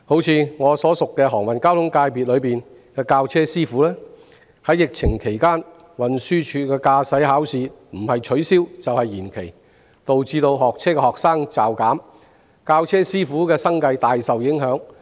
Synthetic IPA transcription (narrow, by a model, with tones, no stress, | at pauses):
ho˨˥wt͡sʰiː˨˧ŋɔː˨˧sɔː˨˥sʊ˨kːɛː˧ɦɔː˨˩ŋwɐ˨nkaː˥wt̪ʰʊ˨˥ŋkaː˧jpiː˨t̚lɵ˨˧ɥpiː˨˩n | kɛː˧kaː˧wt͡sʰɛː˥siː˥fuː˨˥lɛː˥ | hɐ˨˥jːɪ˨k̚t͡sʰɪ˨˩ŋkʰe˨˩jkaː˥n | wɐ˨nsyː˥t͡ʃʰyː˧kɛː˧kaː˧sɐ˨˥jɦaː˨˥wsiː˨˧m̩˨˩hɐ˨jt͡ʃʰɵ˨˥ɥsiː˥wt͡sɐ˨whɐ˨jːiː˨˩nkʰe˨˩j | t̪o˨wt͡siː˧t̪o˧wɦɔː˨k̚t͡sʰɛː˥kɛ˧hɔː˨k̚saː˥ŋt͡saː˨˩wkaː˨˥m | kaː˧wt͡sʰɛː˥siː˥fuː˨˥kɛː˧sɐ˥ŋkɐ˧jt̪aː˨jsɐ˨wjɪ˨˥ŋɦœː˨˥ŋ